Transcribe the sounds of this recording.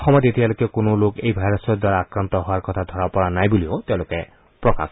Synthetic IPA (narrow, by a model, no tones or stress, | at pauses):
xɔmɔt̪et̪ibalokɛkonolokejbʱajɾɔsɔd̪waɾaːkɾant̪ɔɦʊaɾkɔt̪ʰad̪ʱɔɾapɔɹanajbuliot̪ẽlokɛ | pɹɔka̰s